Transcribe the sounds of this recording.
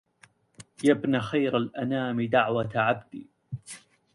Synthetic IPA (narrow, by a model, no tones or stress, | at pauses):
jabnaxajɾalʔanaːmɪd̪aʕwat̪ʕabd̪iː